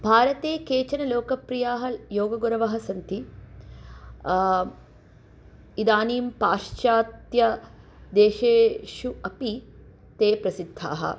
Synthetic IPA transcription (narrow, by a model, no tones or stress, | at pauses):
bʱaːɾɐt̪eːkeːt͡ʃɐnɐloːkɐpɾijaːɦɐjoːɡɐɡuɾɐʋɐɦɐsɐnt̪i | id̪aːniːmpaːʂt͡ʃaːt̪jɐ | d̪eːʃeːʃuɐpi | t̪eːpɾɐsid̪ʱːa̰ːɦɐ̰